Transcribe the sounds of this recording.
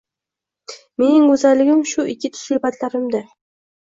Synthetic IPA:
me̞nɪŋkɵzalːɪɡʲɪmʃʊʔɪkʲʰːɪt̪ʰʊ̥sʊbat̪laɾɪmd̪a

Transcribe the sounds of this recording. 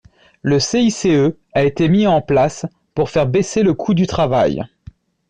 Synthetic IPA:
ləseiseø | aet̪emiɑ̃plas | puʁfɛʁbeseləkʰud̪yt̪χava̰j

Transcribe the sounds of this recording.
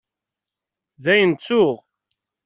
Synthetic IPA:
ðæjənt͡sːʊʁ

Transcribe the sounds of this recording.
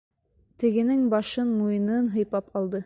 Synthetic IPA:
t̪ɘ̆ɡɘ̆nɘŋbɑʃɤnmujɤ̆nɤnɦɤ̆jpɑpɑlˠd̪ɤ

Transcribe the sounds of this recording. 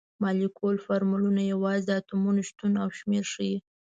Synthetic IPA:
mɑlikʰolfaɾmulunajawɑzd̪at̪umunoʃt̪unawʃmeɾʃəji

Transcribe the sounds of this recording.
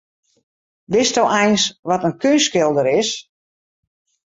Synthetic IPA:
ʋɪstowʔɛjnsʋɔtənkønskɪlˠdəɾɪs

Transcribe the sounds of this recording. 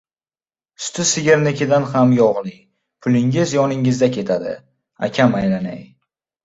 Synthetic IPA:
sʊ̥t̪ɪsɪɡʲeɾnɪkʲʰɪd̪anhamjɒʁnɪŋ | pʰʊlɪŋɪzjɒnɪŋɪzd̪akʲʰe̞t̪ʰad̪ɪ̰ | a̰kʲʰamajlanaj

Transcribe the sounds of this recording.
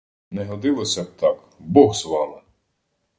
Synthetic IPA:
nɛɦɔd̪ɪlˠɔsʲɐb̚t̪ɑk | bɔɣzʋɑlˠɐ

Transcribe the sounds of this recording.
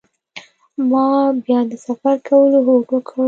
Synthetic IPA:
mɑbjɑd̪əsafaɾkʰawəloɦoɡokʰə

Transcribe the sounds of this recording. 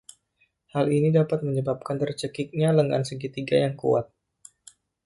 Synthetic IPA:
halinidapat̪̚məɲəbap̚kant̪ərt͡ʃəkik̚ɲaləŋa̰nsəɡit̪iɡajaŋkṵa̰t̪̚

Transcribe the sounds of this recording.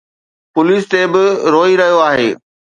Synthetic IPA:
pʊliːst̪ebɪɾoːiɾɐɦijoaːɦḛː

